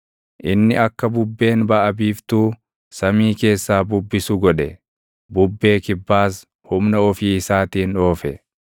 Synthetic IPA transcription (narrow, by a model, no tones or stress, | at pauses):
ʔɪnːɪɐkːɐbʊbːe̞ːnbɐʔɐbiːft̪uː | sɐmiːke̞ːsːaːbʊbːɪsʊɡɔᶑɛ | bʊbːe̞ːkɪbːaːs | hʊmnɐɔfiːɪsaːt̪iːno̞ːfɛ